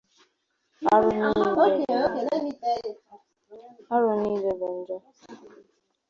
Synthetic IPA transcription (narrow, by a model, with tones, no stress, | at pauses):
a˦ɾʊ˨˦ni˦˨˦n˦mi˦˨ | a˦ɾʊ˨niː˦le˨be˨n̩˦d͡ʒɔ˦